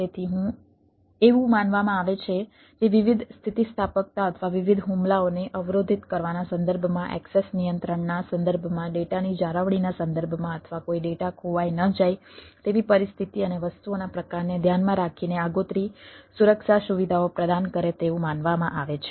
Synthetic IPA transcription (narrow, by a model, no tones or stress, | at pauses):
et̪ʰiɦũ | eʋũmanʋamãaʋet͡ʃʰe | t̪eʋiʋid̪ʱst̪ʰit̪ist̪ʰapək̚t̪aət̪ʰəʋaʋiʋid̪ʱɦumlaoneʔəʋɾod̪ʱit̪kəɾʋanasə̃nd̪əɾbʱmãʔɛ̰ksesnijənt̪ɾəɳnasənd̪əɾbʱmãɖeʈanid͡ʒaɾəʋɽinasə̃nd̪əɾbʱmãət̪ʰʋakoiɖeʈakʰoʋajnəd͡ʒajt̪eʋipəɾist̪ʰit̪iəneʋəst̪uonapɾəkaɾned̪ʱjanmãɾakʰineaɡot̪ɾisuɾəkʃaʃuʋid̪ʱaopɾəd̪ankəɾet̪eʋũmanʋamãʔaʋet͡ʃʰe